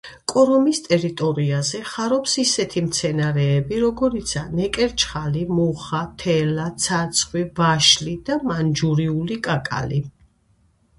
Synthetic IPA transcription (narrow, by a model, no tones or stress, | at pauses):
kʼɔɾɔmist̪ʼɛɾit̪ʼɔɾiazɛχaɾɔpsisɛt̪ʰimt̪sʰɛnaɾɛːbiɾɔɡɔɾit̪sʰanɛkʼɛɾt͡ʃʰχalimuχat̪ʰɛlat̪sʰaɾt̪sʰχwivaʃlid̪̥amand͡ʒuɾiulikʼakʼa̰li